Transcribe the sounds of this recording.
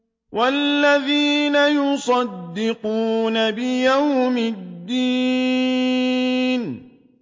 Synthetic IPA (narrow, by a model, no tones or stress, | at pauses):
wʔalːaðiːnajʊsˤɑd̪ːɪquːnabɪjawmɪd̪ːiː | n